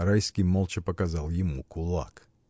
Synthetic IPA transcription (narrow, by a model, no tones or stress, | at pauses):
ɾajskʲɪjmolˠt͡ʃɪpəkazalˠjɪmukʊlˠa̰k